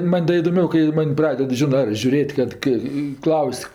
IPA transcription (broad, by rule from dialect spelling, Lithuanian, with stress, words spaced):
ˈmɐnʲ dɐ ɪdoːˈmʲɛʊ kɐɪ ˈmɐnʲ ˈprɑːdʲɛt ˈʒʲɪnɜ ɐr ʒʲʊˈrʲeːtʲ ˈkɐt kɜ ɪ ˈklˠɐʊsʲ